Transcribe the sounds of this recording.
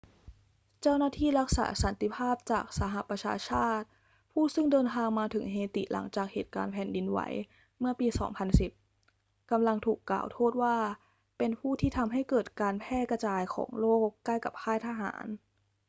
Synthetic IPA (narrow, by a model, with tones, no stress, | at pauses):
t͡ɕa˥˩wnaː˥˩t̪ʰiː˥˩ɾa˦˥k̚sa̰ː˩˦sa˩˦nt̪i˧˩pʰaː˥˩p̚t͡ɕaː˨˩k̚sa˧ɦa˨˩ʔpɾa˧t͡ɕʰa̰ː˧t͡ɕʰaː˥˩t̪̚ | pʰuː˥˩sɯ˥˩ŋdɤː˧nt̪ʰaː˧ŋmaː˧t̪ʰɯ˩˦ŋɦeː˧t̪ḭ˨˩lʔa̰˩˦ŋt͡ɕaː˨˩k̚hḛː˨˩t̪̚ka̰ː˧npʰɛː˨˩ndi˧nwa̰˩˦j | mɯ˥˩ɐpiː˧sɔ̰ː˩˦ŋpʰa˧nsi˨˩p̚ | ka˧mla˧ŋt̪ʰuː˨˩kːla̰ː˨˩wt̪ʰoː˥˩t̪̚waː˥˩ | pe˧npʰuː˥˩t̪ʰiː˥˩t̪ʰa˧mɦa˥˩jkɤː˨˩t̪̚kaː˧npʰɛː˥˩ka˧t͡ɕaː˧jkʰɔ̰ː˩˦ŋloː˥˩kːa˥˩jka˨˩p̚kʰaː˥˩jt̪ʰa˧ɦa̰ː˩˦n